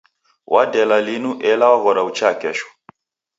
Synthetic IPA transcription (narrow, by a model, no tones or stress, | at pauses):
wʔadɛlalinuʔɛlawaɣɔɾaut͡ʃakɛʃɔ̥